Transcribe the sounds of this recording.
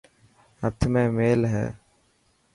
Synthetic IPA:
ɐɾt̪ʰːɐmeːmeːlɦɛ̰

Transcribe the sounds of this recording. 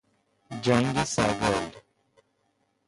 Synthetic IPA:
d͡ʒaŋɡisaɡɔl

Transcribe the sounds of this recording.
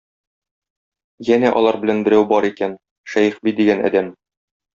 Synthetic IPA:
jænæʔɒ̰lˠɑɾbɘ̆lænbɘ̆ɾæwbɒɾikæn | ʃæjɘχbid̪iɡænæ̰d̪æm

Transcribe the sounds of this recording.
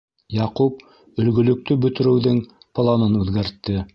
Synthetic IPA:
jɑqup̚ | ɵ̆lɡɵ̆lɵ̆k̚t̪ɵbɵ̆t̪ɘ̆ɾɘ̆wðɘŋ | plˠɑnɤnʉðɡæɾt̪ːɘ

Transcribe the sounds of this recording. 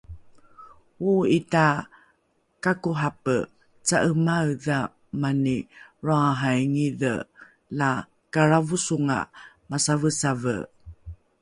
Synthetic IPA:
uita | kakuɦapə | t͡saʔəmawða | maniɾoaɦajŋiðə̰ | la | kaɾavusuŋa̰ | masavəsavə̰

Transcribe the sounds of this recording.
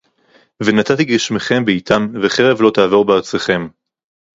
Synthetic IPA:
venat̪at̪iɡiʃmeχe̞mbeit̪ʰanveχeʁe̞vlo̞t̪aːvo̞ʁbeaʁt͡seχe̞m

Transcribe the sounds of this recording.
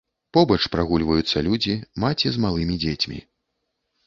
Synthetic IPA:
pɔbɐt͡ʂpɾaɣulʲvɐjut̪sːɐlʲud͡zʲimat͡sʲizmalˠɨmʲid͡zʲet͡sʲmʲḭ

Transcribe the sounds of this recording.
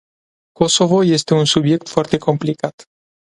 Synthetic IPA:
kosovojest̪eunsubjek̚t̪fwaɾt̪eko̞mplikat̪

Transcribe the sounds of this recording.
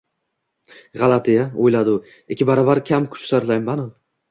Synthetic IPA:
ʁalˠat̪ʰijaojlad̪ʊ | ekʲʰːɪbaɾɒvaɾkʲʰamkʰʊ̥t͡ʃsaɾlajmːano

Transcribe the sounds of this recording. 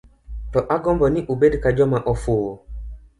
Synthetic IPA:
tɔʔaɡɔ̃mbɔnĩʔobedikad͡ʒɔmãʔɔfoː

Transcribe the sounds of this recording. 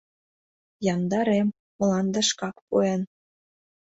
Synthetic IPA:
jɑnd̪ɑɾem | mə̆lɑnd̪ə̆ʃkɑkpuen

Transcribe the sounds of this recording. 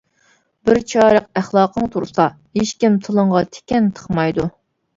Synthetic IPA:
bɪɾt͡ʃʰɑːɾəq̚æχlˠɑːqʰəŋt̪ʰuɾsɑ | heʃkʲimt̪ʰɨlˠəɴʁɑt̪ʰe̥kʲɛnt̪ʰə̥χmɑjd̪u

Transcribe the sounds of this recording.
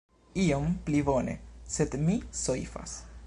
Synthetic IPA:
iomplibo̞ne̞̰se̞d̪misojfa̰s

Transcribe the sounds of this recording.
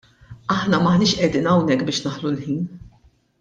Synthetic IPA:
ʔɐħnɐmɐħnɪːʃʔɛd̪iːnɐwnɛkːbɪːʃnɐħlulħiːn

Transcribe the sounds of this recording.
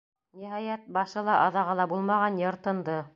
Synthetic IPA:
niɦɑjæt̪̚bɑʃɤ̆lˠɑʔɑðɑʁɑlˠɑbulˠmɑʁɑnjŏɾt̪ɤ̆nd̪ɤ

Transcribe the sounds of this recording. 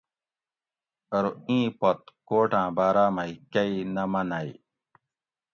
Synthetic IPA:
ɐɾoĩːpɐt̪̚koːʈãːbaːɾaːmɐikɐinɐmɐnaj

